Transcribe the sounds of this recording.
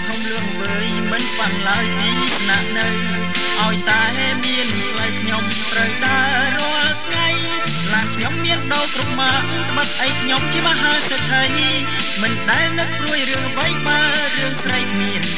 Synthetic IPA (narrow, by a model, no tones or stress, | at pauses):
k̪ʰomluəŋʋəəːj | mɨnpanlaəjpiːnisnaʔnɨw | ʔaɔjt̪aːɦeːmiən | pʰlajkʰɲom | t̪rəwɗaə | roəlt̪ʰŋaj | pʰlaːnkʰɲomːiənɗoːlkrup̚maəʔnɨŋt̪əɓət̪̚ʔəjkʰɲomt͡ɕiəməɦaːsət̪ʰːəni | mɨnɗaɛlnɨk̚t͡ɕuəjrɨəŋʋəjɓaː | rɨəŋsrəjmiən